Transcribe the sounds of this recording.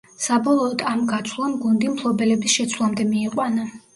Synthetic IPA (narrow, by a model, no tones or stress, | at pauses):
sabɔlˠɔːd̪amɡat̪sʰlˠamɡund̪impʰlˠɔbɛlɛbisʃɛt̪sʰvlˠamd̪ɛmiɛqʼwana